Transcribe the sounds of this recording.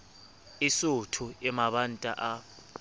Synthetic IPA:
isutʰuɛmaɓantʼa̰ʔa

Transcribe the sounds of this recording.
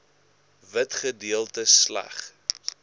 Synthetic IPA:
vətχədiəlˠtəslæ̰χ

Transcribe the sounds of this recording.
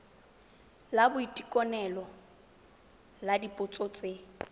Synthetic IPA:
labʊitʼikʼɔnɛlɔ | ladipʼʊt͡sʼot͡sʼe

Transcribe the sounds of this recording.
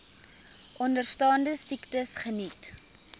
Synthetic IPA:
ʔɔndərstɑːndəsiktəsχənit

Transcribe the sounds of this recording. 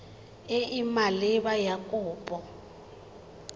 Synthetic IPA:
ɪʔimaliβajakʼuːpʼɔ

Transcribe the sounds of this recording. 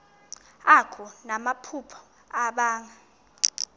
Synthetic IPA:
akʰunamapʰupʰɔ̥ | aɓaːŋa

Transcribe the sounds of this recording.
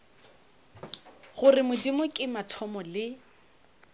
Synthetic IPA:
ɣʊrɪmʊdimʊkʼɪmatʰɔmɔlɪ

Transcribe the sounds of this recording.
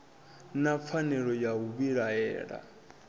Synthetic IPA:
nap̪fʰanɛɺɔjaɦuβiɺaɛ̰ːɺa̰

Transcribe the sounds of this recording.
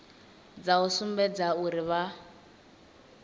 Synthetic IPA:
d͡zausumbɛd͡zauɾiβa

